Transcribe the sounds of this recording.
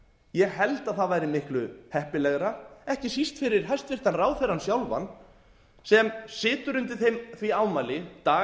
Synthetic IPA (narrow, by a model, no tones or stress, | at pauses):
jɛɣɦɛlt̪aðθaðvaːjɾɪmɪhklʏhɛhpɪlɛɣɾaɛhcɪsist̪fɪɾɪɾ̥ɦajst̪vɪr̥t̪anraːwθɛjɾansjawlva̰n | sɛmsɪːt̪ʏɾʏnt̪ɪθejmθviawmalɪt̪aː